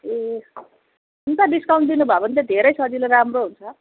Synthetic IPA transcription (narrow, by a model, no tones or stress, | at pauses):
e | unt̪aɖiskaw̃ɳʈd̪inubʱabʌnt̪ed̪ʱeɾʌjsʌd͡zileɾamroɦunt͡sʰʌ